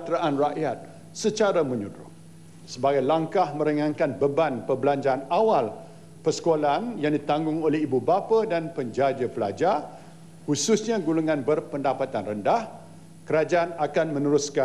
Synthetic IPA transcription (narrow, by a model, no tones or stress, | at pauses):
t̪ɾaʔanraʔjat̪̚ | sət͡ʃaɾamə̃ɲudɾʊ̰ŋ | səbaɡajlaŋkahmə̃ɾəŋãnkanbəbanpəbəlaɲd͡ʒaanawal | pərsə̥kolaanjaŋdit̪aŋɡʊŋolɛhibubapadanpəɲd͡ʒad͡ʒəpəlad͡ʒa | hususɲãɡuluŋãnbərpəndapat̪anrəndah | kəɾad͡ʒaanakanmə̃nuɾuska